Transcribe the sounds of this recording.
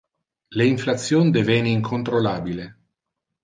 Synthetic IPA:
leiɱflat̪sːjoːnd̪evɛniiŋkʰont̪ɾolaːbile

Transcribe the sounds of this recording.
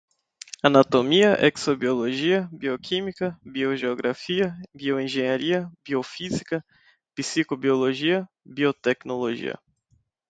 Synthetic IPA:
anat̪omiɐʔɛ̰ksobioloʒiɐbiokʰĩmikɐbioʒeoɡɾʔafiɐbioẽʒẽɲaɾiɐbiofizikɐ | pisikobioloʒiɐ | biot̪ɛknoloʒḭɐ̰

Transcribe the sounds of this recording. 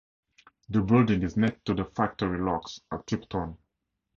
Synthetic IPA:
ðəbɪldɪ̃ŋɪznɛk̚tːuðəfak̚təɹilɔksətʰɹ̥ɪptʰɔ̃n

